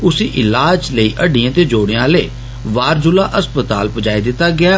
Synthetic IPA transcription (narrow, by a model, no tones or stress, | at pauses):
ʊsiːʔɪlaːd͡ʒləiːʔəɖɪãːt̪eːd͡ʒoːɽejãːleː | ʋaːɾd͡ʒʊlaːʔəspət̪a̰ːlpəd͡ʒaːed̪ɪt̪ːaːɡɪaː